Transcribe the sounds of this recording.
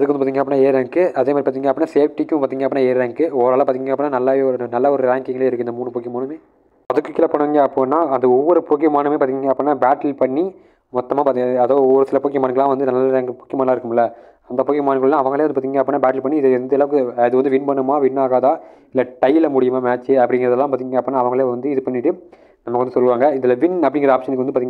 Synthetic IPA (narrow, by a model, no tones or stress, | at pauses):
ɐðɯkːɐnɯpːaːt̪iŋɡɐpːɾnːaːeːɾeːŋkːɯɐðeːmaːɾipaːt̪iːŋɡɐpːnːaːseːfʈikːʊ̃paːɾt̪iːŋɡɐpːnaːeːɾɾeːŋkːɯɔʋɾaːlɐ̃paːt̪iŋːiŋɡɐpːnːaːnɐlːaɾnɐlːaɔɾɯɾaːŋkɪŋɡɐleːɪɾɯkːɯɪnd̪ɐmuːɳːɯpoːkːɪmaːnɯmeː | ɐðɯkːɯkːɪlɐpɐɳːɐŋɡɐɐpːoːnːaːɐnd̪ɐɔʋːɔɾɯpoːkːɪmaːnɯmeːpaːt̪iiŋɡɐɐpːonːaːbaːʈɐlpɐɳːi | mɔt̪ːɐmaːpaːt̪iɡɐðoːɔʋːɐɾɯsɪlɐpoːkɪmaːnɯkɐɭlːãːʋɐnd̪ɯnɐlːaɾeːŋkpoːkːɪɐmaːnlaːɪɾɯkːɯmɪlːɐ | ɐnd̪ɐpoːkɪmaːnɯkːɐɭlːãːɐʋɐŋɡɐɭeːɐnd̪ɯpːaːt̪iŋɡɐpːoːnːaːbaːʈɪlpɐɳːiɪðɛnd̪ɐɛlɐːʋɯkɯɪðɯʋɐnd̪ɯʋɪnbɐɳːɯmaːʋɪɳːaːɣaːðaː | ɪlːɐʈɐjɪlɐmʊɽɪjɯmaːmaːt͡ʃːɯɐpːɐɽɪŋɡɪɾɐðɛlːãːp̬aːɾt̪iŋŋɡɐpːoːnːaːɐʋɐŋɡɐɭeːʋɐnd̪ɯɪðɯpɐɳːɪʈːɯ | nɐmːɐkːʋɐnd̪ɯsɔlːɯʋaːŋɡɐɪðɪlɐʋɪnɐpːɐɽɪŋɡɪɐaːpʂɐnɯkːʋɐnɯpaːɾt̪iŋɐ